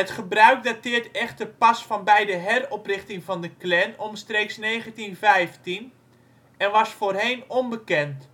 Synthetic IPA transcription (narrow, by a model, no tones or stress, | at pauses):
ɦətχəbrœɥk̚datɪərtɛxtəpasfɔnbɛjdəɦɛrɔprɪχtɪŋvɑndəklɛnɔmstreːksneːɣəntinvɛjftin | ɛnʋɑsfoːrɦejnɔmbəkɛnt